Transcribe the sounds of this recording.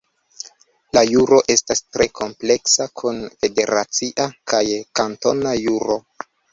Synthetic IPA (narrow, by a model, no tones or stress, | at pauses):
lajuɾo̞ʔe̞stastɾe̞kʰo̞mple̞ksakʰunfe̞de̞ɾat͡siʔakajkanto̞najuɾo̞